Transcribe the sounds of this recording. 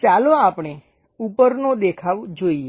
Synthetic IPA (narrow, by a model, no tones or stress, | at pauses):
t͡ʃaloapɳ̃e | upəɾnõd̪ekʰaʋd͡ʒoie